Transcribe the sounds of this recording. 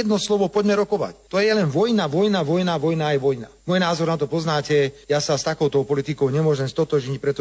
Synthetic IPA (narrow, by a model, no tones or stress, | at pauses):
ɛd̪nɔslɔʋɔpɔɟmɛɾɔkɔʋa̰ct̪ɔjɛlɛnʋɔjnaʋɔjnaʋɔjnaʋɔjnaːjʋɔjnamuɔjnaːzɔɾnat̪ɔpɔznaːcɛjasast̪akɔʊt̪ɔʊpɔlit̪ikɔʊɲɛmʊɔʒɛmst̪ɔt̪ɔʒɲic̚pɾɛt̪ɔ